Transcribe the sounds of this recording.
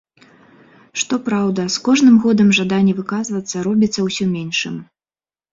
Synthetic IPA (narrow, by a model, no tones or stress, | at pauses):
ʂt̪ɔpɾawd̪ɐskɔʐnɨmɣɔd̪ɐmʐad̪anʲːɛvɨkazvɐt̪sːɐɾɔbʲit̪sːɐwsʲɔmʲɛnʂɨ̰m